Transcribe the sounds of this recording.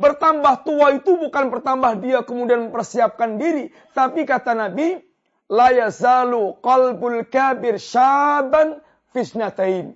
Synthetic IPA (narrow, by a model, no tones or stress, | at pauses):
bərt̪ambaht̪uait̪ubukanbərt̪ambahdiakəmudianməmpərsiap̚kandiɾi | t̪apikat̪anabi | lajazaluqalbalkabɪrʃaban | fɪt̪nat̪ajn